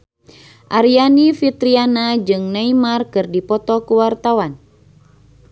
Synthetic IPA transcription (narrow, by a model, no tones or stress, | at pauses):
ʔaɾianifit̪ɾianad͡ʒɨŋnaimarkɨrdipɔt̪ɔkuwart̪awan